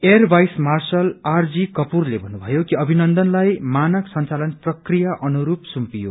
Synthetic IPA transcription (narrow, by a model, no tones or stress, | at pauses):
erbʱajsmarsʌlard͡zikʌpurlebʱʌnːubʱʌjokiʌbʱinʌnd̪ʌnlajmanʌksʌnt͡salʌnprʌkrijaʔʌnuɾupsumpijo̰